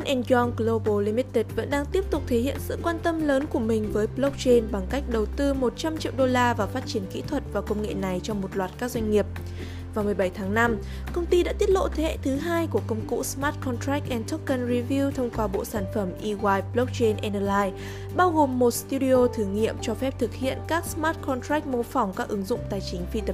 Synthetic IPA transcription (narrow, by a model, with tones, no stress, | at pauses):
a˧nʔɛ˧nɡɔ˧ŋɡlo˧ɓo˧li˧mi˦˥t̪i˨˩t̚və̰˧˥nɗaː˧ŋt̪i˦˥əp̚t̪ʊ˨˩k͡p̚t̪ʰe˨˦hḭ˧˨ənsɨ̰˧˨kwaː˧nt̪ə˧mləː˨˦nku˧˩əmï˨˩ŋ̟vəː˨˦jplo˦˥k̚t͡ɕe˧nɓa˨˩ŋka˦˥k̟̚ɗə˨˩wt̪ɨ˧mo˨˩t̚t͡ɕa˧mt͡ɕḭ˧˨wɗo˧laː˧vaː˨˩wfaː˦˥t̚t͡ɕi˧˩ənkḭ˧˥t̪ʰwə˨˩t̚vaː˨˩wkə˧wŋ͡mŋḛ˧˨na˨˩jt͡ɕɔ˧wŋ͡mmo˨˩t̚lwaː˨˩t̚kaː˦˥k̚zwa˧jŋ̟ŋi˨˩əp̚ | vaː˨˩wmɨ˨˩əjɓa˧˩jt̪ʰaː˨˦ŋna˧m | kə˧wŋ͡mt̪i˧ɗa̰ː˧˥t̪i˦˥ət̚lo̰˧˨t̪ʰe˨˦hɛ̰˧˥˨t̪ʰɨ˨˦ɦaː˧jku˧˩əkə˧wŋ͡mkṵ˧˥smaː˦˥t̚kɔ˧nt̪ɾa˦˥k̚ʔɛ˧nt̪ʰo˦˥k̚kə˧˩nɹi˧vi˧t̪ʰə˧wŋ͡mkwaː˧ɓo̰˧˨saː˧˩nfə˧˩mʔi˧ɣwaː˧jplk͡p̚t͡ɕe˧nʔɛ˧nəː˧laː˧j | ɓaː˧wɣo˨˩mːo˨˩t̚st̪u˧ɗi˧o˧t̪ʰɨ˨˦ŋḭ˧˨əmt͡ɕɔ˧fɛ˦˥p̚t̪ʰɨ˨˩k̚hḭ˧˨ənkaː˦˥k̚smaː˦˥t̚kʰɔ˧nt̪ɾa˦˥k̚mo˧fɔ˨˩wŋ͡mkaː˦˥k̚ʔɨ˨˦ŋzʊ̰˧˨ŋ͡mt̪aː˨˩jt͡ɕï˨˦ŋ̟fi˧t̪ə˨˩